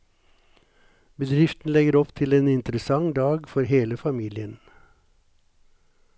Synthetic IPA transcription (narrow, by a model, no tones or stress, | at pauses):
bəd̪ɾɪft̪n̩lɛɡəɾɔpt̪ʰɪleːnɪnt̪ɾəsɑŋd̪ɑːɡfɔɾheːləfɑmiːlɪən